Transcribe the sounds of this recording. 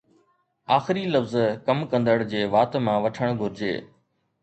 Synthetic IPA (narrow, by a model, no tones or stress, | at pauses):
aːxɪɾiləfzkəmkə̃nd̪əɽd͡ʑeːʋaːt̪mãːʋɐʈʰəɽ̃ɡʱʊɾɪd͡ʑḛː